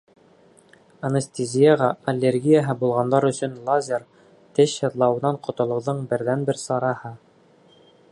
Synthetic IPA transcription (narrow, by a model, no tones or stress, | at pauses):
ɐnest̪ʲezʲijaʁɑɐlʲːerɡʲijaɦɤbulˠʁɑnd̪ɑɾɵ̆sɵ̆nlˠazʲeɾ | t̪ɘɕɤlˠɑwɤ̆nɑɴqŏt̪ŏlˠɤ̆ðɤɴbɘ̆ɾðænbɘɾsɑɾɑhɤ